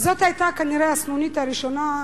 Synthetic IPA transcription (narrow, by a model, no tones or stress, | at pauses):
zot̪hajt̪akaniɾeasnunit̪aɾiʃona